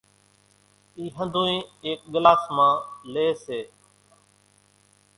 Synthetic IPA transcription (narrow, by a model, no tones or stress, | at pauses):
iːɦə̃nd̪ʱũːĩːeːk̚ɠɪlaːsmãːleːseː